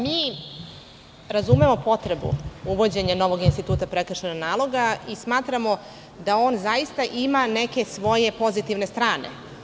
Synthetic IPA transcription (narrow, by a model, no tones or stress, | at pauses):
miː | ɾazumemo̞po̞t̪ɾe̞bṵuʋo̞d͡ʑe̞ɲano̞ʋo̞ɡinst̪it̪uːt̪apɾekɾr̩ʃenanaːlˠo̞ɡaismaːt̪ɾamo̞ | d̪ao̞ːnzaist̪aʔimane̞ke̞sʋo̞je̞po̞zit̪iʋne̞st̪ɾaːne̞̰